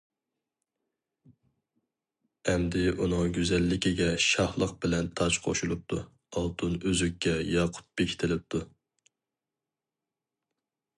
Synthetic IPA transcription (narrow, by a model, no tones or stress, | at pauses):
ɛmd̪ɪʔunɨŋɡʲyzɛlːɪkʲiɡʲɛʃɑhlˠəqbɪlɛnt̪ʰɑt͡ʃqʰo̰ʃulˠup̚t̪ʰu | ɑlˠt̪ʰunøzykʲːɛjɑqʰʊ̥t̪̚bekʲʰi̥t̪ʰɪlɪp̚t̪ʰu